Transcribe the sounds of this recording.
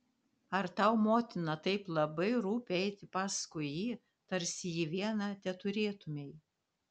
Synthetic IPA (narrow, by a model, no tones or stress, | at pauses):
ɐɾt̪ɐʊmoːt̪ʲɪnɐt̪ɐɪplˠɐbɐɪɾuːpʲːɛɪt̪ʲɪpɑːskʊɪjiː | t̪ɐɾʲsʲɪjiːʋʲiɛnɑt̪ʲɛt̪ʊɾʲeːt̪ʊmʲɛɪ